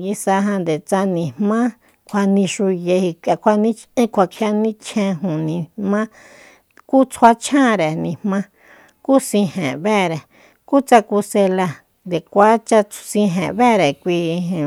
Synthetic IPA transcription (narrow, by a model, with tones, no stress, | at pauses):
ji˧sa˧ɦã˧nd̪e˨t͡sa˧nĩ˨mmã˦ | kʷʰa˧nĩ˧ʃu˧je˧hi˧ka˧kʷʰa˧nĩ˦t͡ʃĩ˦kʷʰa˧kʰja˧nĩ˦t͡ʃʰẽ˧ɦũ˨nĩ˧mã˦ | ku˦t͡sʰwa˧t͡ʃʰã˦˨˧ɾe˨nĩ˧mmã˦ | ku˦sĩ˧hẽ˨βe˦˨ɾe˨ | ku˦t͡sa˧ku˧se˧la˧ | nd̪e˨kʷa˦t͡ʃa˧sĩ˧ɦḛ̃˨βe˦˨ɾe˨kʷĩ˧